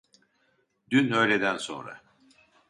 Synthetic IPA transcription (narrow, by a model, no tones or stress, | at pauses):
d̪ynø̞jled̪ænso̞̰nɾa̰